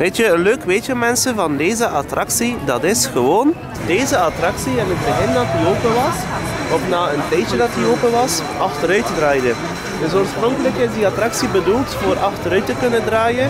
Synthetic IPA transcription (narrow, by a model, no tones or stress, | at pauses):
ʋeːtjəənløːkʋeːtjəmɛnsəvɑndeːzəʔɑtrʔɑksidɑtɪsxəʋoːn | deːzəɑtrɑksiɛnɦəd̚bəɣɪndɑt̚dioːpəʋɑs | ɔfnaːəntɛjt͡ʃədɑt̚dioːpəʋɑs | ɑxtəɾœɥtədraːjdən | tɪsoːrsprɔŋkələkɪzdiɑtrɑksibədulˠtfoːɾʔɑxtəɾœɥtəkɵnəndraːjə